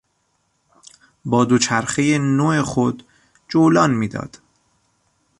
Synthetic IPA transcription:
bɒːd̪ot͡ʃʰæɾxejenoexod̪ | d͡ʒolɒːnmiːd̪ɒ̰ːd̪̥

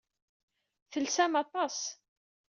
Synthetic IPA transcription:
θəlsæmɑt̪ˤɑs

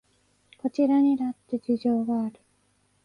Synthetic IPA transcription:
ko̞t͡ɕiɾaɲ̟inat̪ːed͡ʑiʑo̞ːɡaːɾɯ̟

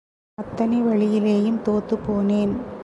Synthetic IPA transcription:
ɐt̪ːɐnɐɪʋɐɭɪjɪleːjɯmt̪oːt̪ːɯpːoːneːn

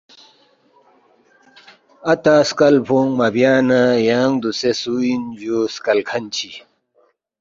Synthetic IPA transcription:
ɐt̪aːskɐlpʰuŋmɐbjaːnajaːŋd̪usesuind͡ʑoskɐlkʰɐnt͡ɕʰi

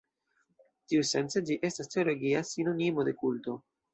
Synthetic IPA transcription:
tiuse̞nt͡se̞d͡ʒiʔe̞stastʰeo̞lo̞ɡiasino̞nimo̞de̞kulto̞

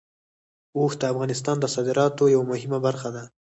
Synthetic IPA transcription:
oxd̪əafɣɑnɪst̪ɑnd̪əsɑd̪ɪɾɑt̪ojawamʊhɪmabaɾxad̪a

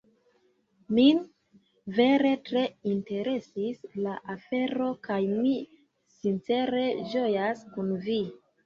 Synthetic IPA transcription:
min | ve̞ɾe̞tɾe̞inte̞ɾe̞sislaʔafe̞ɾo̞kajmi | sint͡se̞ɾe̞d͡ʒo̞jaskunvi

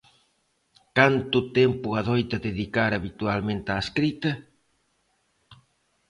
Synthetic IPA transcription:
kant̪ʊt̪empʊaðojt̪ɐðeðikaɾaβit̪ualmẽnt̪aeskɾit̪ɐ

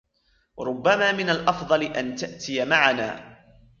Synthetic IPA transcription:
wɑɾˤʊbːamaːmɪnalʔɑfd̪ˤɑlɪʔant̪aʔt̪ɪjamaʕana̰ː

